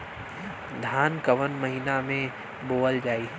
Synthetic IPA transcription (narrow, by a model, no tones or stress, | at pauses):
d̪ʱaːnkɐʋənmɐɦiːnamẽ | boːəld͡ʒaːiɦ